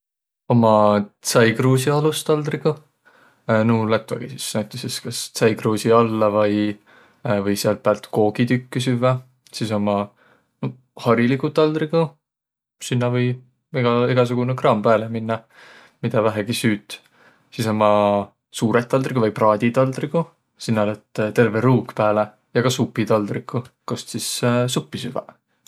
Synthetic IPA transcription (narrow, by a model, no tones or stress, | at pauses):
o̞mɑt̪sɑjɡruːsiɑlust̪ɑld̪riɡ̥u | nuːlæt̪ˑvɑ̰ɡ̥isisnæɥt̪ːˑeseskɑst̪sɑjɡruːsiɑlːɑvɑj | vɤjseɑl̚pæːlt̪ko̞ːɡ̥id̪ykːisyvːɑ | siso̞mɑ | no | hɑɾilikut̪ɑld̪riɡ̥u | sinːɑvɤj | iɡ̥ɑiɡɑs̬uɡ̥unekrɑːmpæːleminːɑ | mid̪ɑvæɦeɡ̥isyːt̪ːˑ | siso̞mɑ | suːɾet̪ːˑɑld̪rikuvɑjprɑːd̪̥ʲit̪ɑld̪̥riɡu | sinːɑlet̪ːt̪e̞rve̞ɾuːkpæːle | jɑɡ̥ɑsupːit̪ɑld̪rikːˑukost̪sissupːisyvæ̰